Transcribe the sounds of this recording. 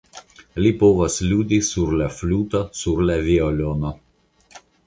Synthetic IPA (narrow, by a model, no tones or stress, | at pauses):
lʲipoːʋɐslʲuːd̪ʲisuɾlʲɛflʲuːt̪ɔsuɾʲlʲɛʋʲiɔlʲoːnɔ